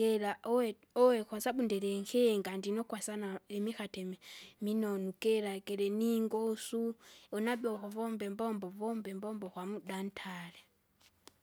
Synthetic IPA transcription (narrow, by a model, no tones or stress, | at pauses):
ɛlaɛ | ɔwɛkwasaɓundɛɾɛŋkʰɛŋɡandinɔkwasanaɛmixatɛmɛminɔnukɛɾakɛɾɛniŋɡɔsuɔnabɔhɔvɔmbɛmbɔmbɔvɔmbɛmbɔmbɔkwamudan̩tʰalɛ